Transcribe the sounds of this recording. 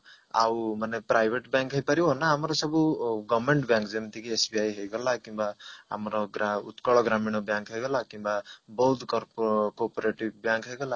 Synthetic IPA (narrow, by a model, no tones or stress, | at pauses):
a̰wmanɛpɾajbʱeʈbjaŋkɦəjpaɾiɦɔnːaɦːmɔɾɔsʌbuɡɔbmeɳʈbjãŋkzemt̪ʰikiesbiajɦəjɡɔlakimbaa̰mɾɔɡaut̪kɔɭɔɡɾaminɔbjaŋkɦəjɡɔlakimbabɔud̪kɔɾpkɔpɔɾeʈib̚bjaŋkɦəjɡɔla